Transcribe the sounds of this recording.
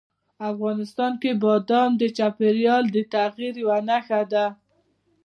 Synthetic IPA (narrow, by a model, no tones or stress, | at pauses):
afɣɑnɪst̪ɑnkebɑd̪ɑnd̪ət͡ʃapeɾjɑld̪ət̪aɣiɾwanaxad̪a